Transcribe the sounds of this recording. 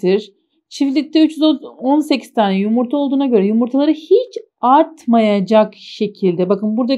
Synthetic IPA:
iɾ̥ | t͡ʃʰiflʲit̪ʰːɛyt͡ʃjyzonse̞cʰi̥zt̪ʰaːnɛjumuɾt̪ʰao̞lˠd̪uːnaɟø̞ɾɛjumuɾt̪ʰalˠaɾɯhit͡ʃ | aɾt̪majad͡ʒakʃe̞cʰilʲd̪ɛbakɯnbuɾd̪a

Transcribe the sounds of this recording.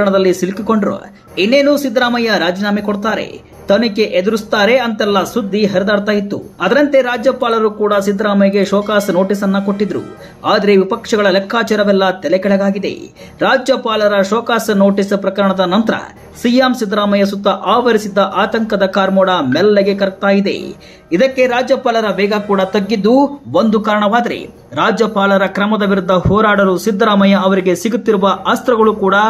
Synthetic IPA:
ɐɳɐd̪ɐlːisilkiko̞ɳɖɾo̰ | inːe̞ːnuːsid̪ɾaːmɐjɐɾaːd͡ʒinaːmikoɽt̪aːɾe̞̰ | t̪ɐnike̞ʔed̪uɾust̪aːɾe̞ɐnt̪ɛlːɐsud̪ʱːiɦɐɾɛd̪aːɽt̪aːjit̪ːṵɐd̪ɐɾɐnt̪e̞ɾaːd͡ʒjɐpaːlɐɾukuːɽɐsid̪ɾaːmɐjɐɡeʃɔːkaːsno̞ːʈisɐnːɐkoʈːid̪ɾṵ | aːd̪ɐɾe̞ʋipɐkʂɐɡɐɭɐlɛkʰːaːt͡ʃɐɾɐʋɛlːɐt̪ɛlɛkɛɭɛɡaːɡid̪ḛ | ɾaːd͡ʒjɐpaːlɐɾɐʃɔːkaːsɐno̞ːʈispɾɐkɐɾɐɳɐd̪ɐnɐnt̪ɐɾɐ̰ | sijamsid̪ɾaːmɐjɐs̬ut̪ːɐʔaːʋɐɾisid̪ːɐʔaːt̪ɐŋkɐd̪ɐkaːɾmoːɽamɛlːeɡekɐɾ̚t̪aːjid̪e̞̰ | id̪ɐkːe̞ɾaːd͡ʒjɐpaːlɐɾɐʋɛːɡɐkuːɽɐt̪ɐɡːid̪ːuond̪ukaːɾɐɳɐʋaːd̪ɐɾḛ | ɾaːd͡ʒjɐpaːlɐɾɐkɾɐmɐd̪ɐʋiɾud̪ʱːɐhɔːɾaːɽɐɾusid̪ɾaːmɐjɐɐʋɐɾiɡe̞siɡut̪ːiɾuʋɐast̪ɾɐɡɐɭukuːɽɐ

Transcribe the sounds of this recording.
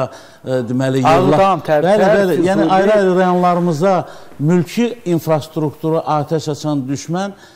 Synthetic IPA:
d̪imælijɑlːˠɑbælibælijæːniɑjɾɑjɾɯɾɑjo̞nlˠɑɾɯmɯzɑ | mylcʰiinfɾɑst̪ɾukt̪ʰuɾɑʔɑːt̪ʰæʃɑt͡ʃʰɑnd̪yʃmæn

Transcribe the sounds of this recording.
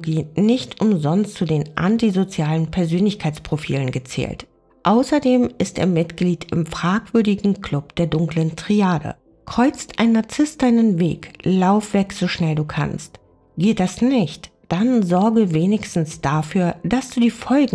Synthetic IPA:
ɡiːnɪçtʰʔʊmzɔnstt͡sudeːnʔa̰ntizot͡sjaːlənpʰɛɐzøːnlɪçkʰaɪt͡spʁ̥ofḭːlənɡət͡sɛ̰ːlt | ʔaʊsɐdeːmʔɪstʔḛːɐmɪtɡ̥liːtʰɪmfʁ̥aːkv̥ʏɐdɪɡŋ̩kʰl̥ʊp̚d̥eːɐdʊŋkləntʁ̥iaːdə̰ | kʁ̥ɔʏt͡stʔaɪnnaɐt͡sɪst̚d̥aɪnənveːklaʊfv̥ɛkz̥oʃnɛlduːkʰa̰nst | ɡ̥eːt̚d̥asnɪçt | d̥anzɔɐɡəveːnɪçstn̩sd̥afyːɐd̥asd̥uːdiːfɔlɡ̩

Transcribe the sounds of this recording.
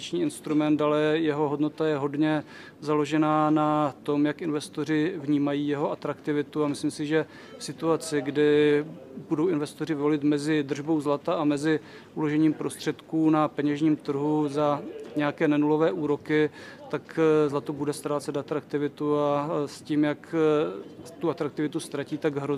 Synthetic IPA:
t͡ʃɲiːɪnst̪ɾumɛnt̪dalɛjɛɦo̞ɦo̞dno̞t̪ajɛɦo̞dɲɛ | zalo̞ʒɛnaːnat̪o̞mjakʔɪnvɛst̪or̝ɪvɲiːmajiːjɛɦo̞at̪ɾakt̪ɪvɪt̪uamɪslimsɪʒɛ | fsɪt̪uat͡sɪɡdɪ | budo̞wɪnvɛst̪o̞rɪvvolɪt̪mɛzɪd̪r̩ʒbo̞wzlat̪aamɛzɪ | ʔulo̞ʒɛɲiːmpɾo̞st̪r̝̥ɛt̪kuːnapɛɲɛʒɲiːmt̪r̩ɦuzaɲɛjakɛːnɛnulo̞vɛːʔuːɾo̞kɪt̪akzlat̪ubudɛst̪ɾaːt͡sɛt̪at̪ɾakt̪ɪvɪt̪uasciːmjak | t̪uʔat̪ɾak̚t̪ɪvɪt̪ust̪ɾaciːt̪aɡɦɾo

